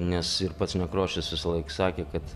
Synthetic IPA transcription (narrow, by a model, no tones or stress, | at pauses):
nʲɛsɪɾpɐt̪snʲɛkɾoːʃʲɪsʋʲɪsɐlˠɐɪksɑːkʲeːkɐt̪